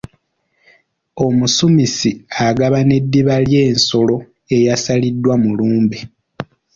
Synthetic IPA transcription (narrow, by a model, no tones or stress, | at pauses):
o̞musumisiaɡaβane̞dːiβalje̞ːnso̞lo̞ | e̞jasalidːwamuluːmbe